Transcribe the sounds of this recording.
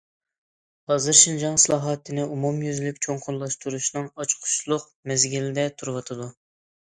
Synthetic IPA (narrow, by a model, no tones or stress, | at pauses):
hɑzɨɾʃind͡ʒɑŋsɨlˠɑːɦɑt̪ʰːɨnɪumumjyzlykʲt͡ʃʰoŋqʰʊllˠɑʃt̪uɾuʃnɨŋɑt͡ʃqʰʊ̥ʃlˠʊq̚ | mɛzɡʲilɪd̪ɛt̪ʰuɾwɑt̪ʰɨd̪u